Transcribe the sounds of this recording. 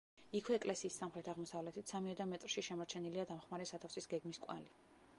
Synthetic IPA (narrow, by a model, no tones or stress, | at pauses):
ikʰwɛːkʼlɛsiːsːamχɾɛt̪ʰaʁmɔsavlɛt̪ʰit̪samiɛd̪amɛt̪ʼɾʃiʃɛmɔɾt͡ʃʰɛniliad̪amχmaɾɛsat̪ʰafsisɡɛɡmiskʼwa̰li